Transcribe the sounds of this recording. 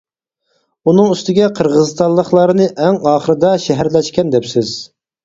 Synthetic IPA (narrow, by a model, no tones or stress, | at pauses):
unɨŋyst̪ɪɡʲɛqʰəɾʁəzɨst̪ɑnlˠəχlˠɑɾɨnɨʔɛŋɑːχəɾɨd̪ɑʃɛɦæɾlɛʃkʲɛnd̪ɛpsɪz̥